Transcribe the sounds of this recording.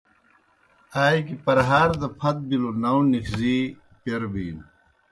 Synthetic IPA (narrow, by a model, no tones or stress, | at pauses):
aːjikipɐɾɦaːɾd̪ɐpʰɐt̪̚bilonawnikʰziː | peɾbiːn